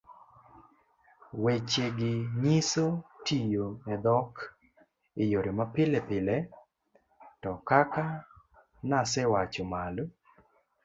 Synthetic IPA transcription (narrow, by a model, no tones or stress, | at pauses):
wet͡ʃeɡɪɲisotijoɛd̪ɔk | ɪjoɾemapɪlɛpɪlɛ | tɔkaka | nasɛwat͡ʃɔmal